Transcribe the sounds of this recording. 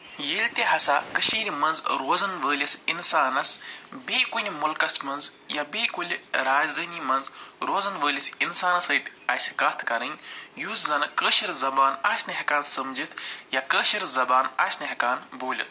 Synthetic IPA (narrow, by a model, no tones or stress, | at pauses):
jilʲt̪iɦɐsakəʃiːɾʲimɐnzɾoːzɐnʋəːlʲɐsinsaːnɐsbeːkunʲimʊlkɐsmɐnz | jabeːkulʲɾaːd͡ʒd̪ɐːniːmɐnzɾoːzɐnʋəːlʲɐsinsaːnɐsəːt̪ʲ | ɐsʲkaːt̪ʰkɐɾɨnʲjuːszɐnɨkəːʃiɾzɐbaːnaːsʲnɨɦɐkaːnsɐmd͡ʒit̪ʰjakəːʃiɾzɐbaːnaːsʲnɐɦɐkaːnboːlʲḭt̪̚ʰ